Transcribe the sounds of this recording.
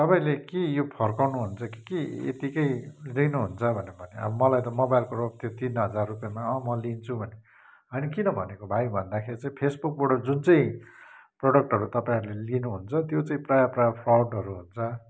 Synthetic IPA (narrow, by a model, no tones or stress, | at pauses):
t̪ʌpãĩlekijopʰʌrkawnuɦunt͡sʰʌki̥kiḛt̪ikʌjlinuɦunt͡sʰʌbʱʌnebʱʌneʌ̰bʌmʌlajt̪ʌmobajlkorobt̪ʰjot̪inɦʌd͡zarːupjamaʌ̃mʌlint͡sʰubʱʌne | ɦʌjnʌkinʌbʱʌnekobʱajbʱʌnd̪akʰeɾit͡sãĩpʰesbuk̚boɽad͡zunt͡sʌĩproɽʌk̚ʈɦʌɾut̪ʌpaĩɦʌɾulelinuɦunt͡sʰʌt̪jot͡saĩprajaprajpʰrawɖʌɾuɦunt͡sʰʌ